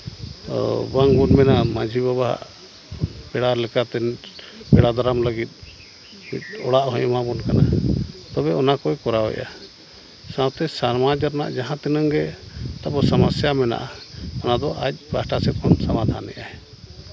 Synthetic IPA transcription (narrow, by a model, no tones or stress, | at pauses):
baŋbɔnmɛnamad͡ʒʱibaβaɦa̰ʔ | pɛɽalɛkat̪ɛn | pɛɽad̪ɔɾamləɡit̪̚ˀ | mḭt̪̚ɔɽaʔɦɔ̃ɲmabɔnkana̰t̪ɔbɛɔnakɔjkɔɾawɛ̰ʔa̰ | sanap̚t̪ɛsaɾmad͡ʒaɾna̰ʔd͡ʒaɦãt̪ɛnəŋɡɛt̪abɔsamasjamɛna̰ʔaɔnad̪ɔʔa̰c̚ˀbasʈasɛkʰɔnsamad̪ʱa̰nːɛ̰ʔaɛ